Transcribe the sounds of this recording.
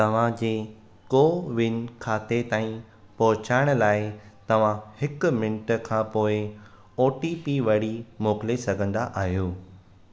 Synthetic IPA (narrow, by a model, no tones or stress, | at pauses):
t̪ɐʋ̤ãd͡ʑeː | koːʋɪnkʰaːt̪et̪aːĩ | pɔɦʊt͡ɕaːɪɽ̃ʊlaːɪt̪ɐʋ̤ãhɪkʊmɪnʈəkʰãːpoːɪ | oːʈipiʋɐɽ̤imoːkɪlesɐɡʱə̃nd̪aʔaːɦijoː